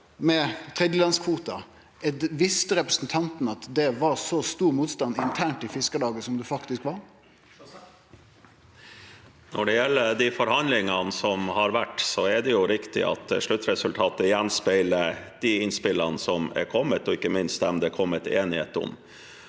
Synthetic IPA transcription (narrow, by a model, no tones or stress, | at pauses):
mɛt̪ʰɾɛːd̪jəlɑnskʰʋuːt̪ɑ | ɛd̪ʋɪst̪əɾɛpɾəsən̩t̪ʰɑnt̪n̩ɑt̪d̪ɛʋɑɾsɔst̪uːɾmuːt̪st̪ɑnːɪnt̪ʰæːɳʈɪfɪskəlɑːɡəsɔmd̪ʉfɑkt̪ɪskʋɑɾ | nɔɖɛjɛlːəd̪ifɔɾhɑnlɪŋɑnsɔmhɑɾʋæʈːsɔɛd̪ɛjʊɾɪkt̪ɪ̰ʔɑ̰t̪ʂɭʉt̪ɾɛsʉlt̪ʰɑːt̪əɪjɛnspæɪləd̪̥iɪnspɪlənəsɔmɛ̰ɾkʰɔmːət̪ɔɪkːəmɪnst̪̚d̪ɛmd̪ɛːkʰɔmːət̪eːnɪhḛːt̪ɔ̰m